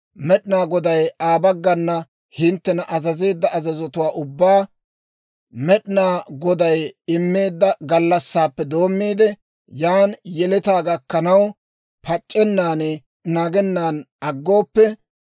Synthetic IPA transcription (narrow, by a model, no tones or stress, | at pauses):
mɛɗɪnaːɡɔd̪ɐjaːbɐɡːɐnːɐ | hɪnt̪ːɛnɐʔɐzɐze̞ːd̪ːɐɐzɐzɔt̪ʊwaːʔʊbːaː | mɛɗɪnaːɡɔd̪ɐjɪmːe̞ːd̪ːɐɡɐlːɐsːaːpːɛd̪o̞ːmːiːd̪ɛ | jaːnjɛlɛt̪aːɡɐkːɐnɐw | pɐt͡ʃʼːɛnːaːnɛ | naːɡɛnːaːn | ɐɡːo̞ːpːɛ